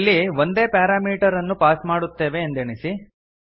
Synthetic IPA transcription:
lːiʋo̞nd̪e̞ːpaːɾaːmiːʈɐɾɐnːupaːsmaːɽut̪ːe̞ːʋe̞ːnd̪eɳisi

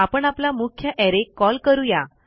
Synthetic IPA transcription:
apəɳaplamukʰjəʔɛɾekːɔlkəɾuja

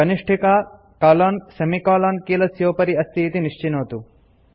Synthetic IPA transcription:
ɐniʂʈʰikaː | kaːlaːnsɐmikaːlaːnkiːlɐsjoːpɐɾiɐst̪ʰiːt̪iniʂt͡ʃinoːt̪u

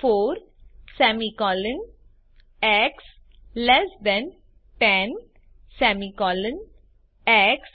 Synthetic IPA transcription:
foːɾ | sɛmikɔlə̃n | ɛks | lɛsd̪ɛ̃n | ʈɛ̃n | sɛmikɔlə̃n | ɛks

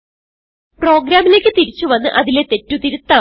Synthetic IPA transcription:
pro̞ːɡɾaːmile̞ːkʲːɨt̪iɾit͡ɕːuʋɐnːɨʔɐðile̞t̪e̞tːut̪iɾut̪ːaː

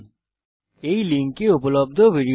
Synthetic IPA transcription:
eilĩŋkːeupləb̚d̪ʱobʱiɖi

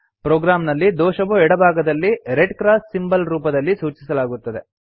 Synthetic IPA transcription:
pɾoːɡɾaːmnɐlːid̪ɔːʃɐʋuɛɽɐbʱaːɡɐd̪ɐlːiɾeɖkɾaːssimbɐlɾuːpɐd̪ɐlːisuːt͡ʃisɐlaːɡut̪ːɐd̪e̞̰

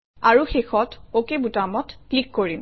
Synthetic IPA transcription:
aɹuxexɔtokebutamɔtklikːoɹim

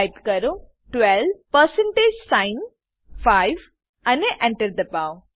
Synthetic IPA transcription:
jpkəɾo | ʈʋɛlpəɾsɛ̃ɳʈeːd͡ʒsãɪn | fajʋ | ɐneʔɛ̃ɳʈəɾd̪əpaõ

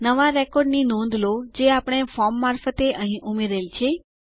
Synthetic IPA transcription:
nəʋaɾɛkɔɾɖninõnd̪ʱlod͡ʒeapəɽ̃efɔɾmːaɾfət̪eʔəɦĩʔumeɾelt͡ʃʰe

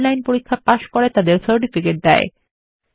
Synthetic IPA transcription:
lajnpoɾikʰːapaʃkoɾet̪ad̪eɾsəɾʈifikeʈ̚d̪ɛe

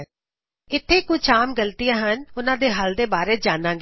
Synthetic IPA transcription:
ɪt̪ʰːeːkʊt͡ʃʰaːmɡəlt̪ɪjãːɦənʊnãːd̪eːɦəld̪eːbaːɾeːd͡ʒaːnãːɡe

